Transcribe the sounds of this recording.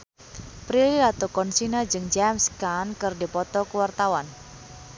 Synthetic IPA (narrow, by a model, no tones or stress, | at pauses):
pɾililat̪okɔnsinad͡ʒɨŋd͡ʒamskankɨrdipɔt̪ɔkəwart̪awan